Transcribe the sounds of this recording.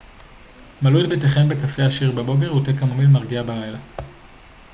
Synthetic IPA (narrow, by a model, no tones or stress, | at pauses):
malujet̪̚beteχembe̞kafe̞aʃiʁbebo̞k̬e̞ʁut̪ekamomilmaʁɡiabalajla